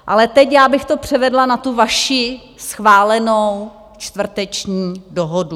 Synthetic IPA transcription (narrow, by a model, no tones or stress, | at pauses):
ʔalɛt̪ɛcjaːbɪxt̪o̞pr̝̥ɛvɛdlanat̪uvaʃɪ | sxvaːlɛnow | t͡ʃt̪vr̩t̪ɛt͡ʃɲiːdoɦodu